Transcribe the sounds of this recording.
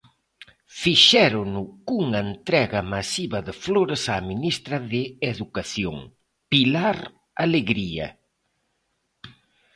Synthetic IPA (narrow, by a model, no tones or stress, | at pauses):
fiʃɛɾʊnʊkuŋɐent̪ɾɛɣɐmasiβɐðɪfloɾesaminist̪ɾɐðɪeðukaθjo̰ŋ | pilaɾ | aleɣɾiɐ̰